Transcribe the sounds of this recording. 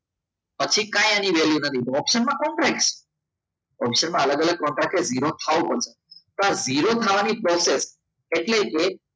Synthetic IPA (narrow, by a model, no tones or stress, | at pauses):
pət͡ʃʰikãjaniʋeljunət̪ʰit̪oɔpʃənmãkɔɳʈɾak̚s | ɔpʃənmãələɡələɡ̚kɔɳʈɾak̚ed͡ziɾot̪ʰaʋopəɾse | t̪oad͡ziɾot̪ʰaʋanipɾɔses | eʈleke